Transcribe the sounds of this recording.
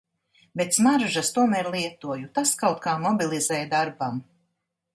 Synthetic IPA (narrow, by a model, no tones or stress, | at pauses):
bet̪smaɾʒast̪uɔmæːɾlˠiɛt̪uɔjut̪askawt̪̚kaːmɔbilˠizɛjd̪aɾbam